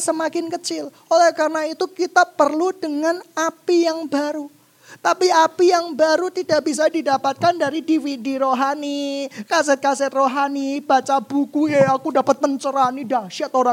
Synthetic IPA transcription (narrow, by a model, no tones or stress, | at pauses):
səmakɪnkət͡ʃɪl | olehkarnait̪ukit̪apərludəŋanapijaŋbaɾu | t̪apiapijaŋbaɾut̪idaʔbis̬adidapat̪̚kandaɾidifidiɾoɦanikasɛt̪̚kasɛt̪roɦanibat͡ʃab̥ukujeakudapət̪̚pəɲt͡ʃəɾanidaʃaʔt̪oɾa